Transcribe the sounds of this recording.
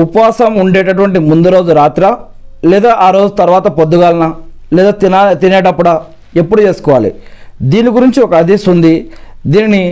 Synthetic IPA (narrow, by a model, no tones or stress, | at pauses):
upɐʋaːsɐmuɳɖɛːʈɐʈ̬uʋɐɳʈimund̪uɾo̞ːd͡ʒuɾaːt̪ɾɐ | lɛːd̪aːʔaːɾoːd͡ʒut̪ɐɾuʋaːt̪ɐpod̪ːuɡaːlɐnɐ | lɛːd̪aːt̪it̪inɛːʈɐpːuɽɐ | e̞pːuɽut͡ʃe̞ːsu̥kɔːʋaːlḭ | d̪iːniɡuɾiɲt͡ʃiɔkɐɐd̪ʱisund̪i | d̪iːnini